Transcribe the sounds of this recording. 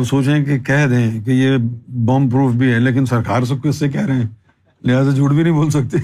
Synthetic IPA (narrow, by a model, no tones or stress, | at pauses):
soːt͡ʃẽkekɛɦd̪ẽːkejebɔmpɾuːfʰbʱiɦɛːleːk̬ɪnsɐɾkaːɾs̬ɐb̚koɪsːekɛːɾɐɦɛ̃ː | lɪɦaːzad͡ʒuːɽbʱinɐɦĩboːlsɐk̚t̪e